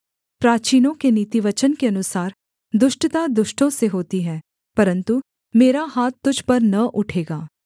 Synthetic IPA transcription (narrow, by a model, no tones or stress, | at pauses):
pɾaːt͡ʃiːnõkeniːt̪iʋɐt͡ʃənkeɐnʊsaːɾ | d̪ʊʃʈt̪ad̪ʊʃʈõseɦoːt̪iɦɛː | pɐɾə̃nt̪u | meːɾaɦaːt̪ːʊd͡ʒʱpɐɾnɐʔʊʈʰeːɡaː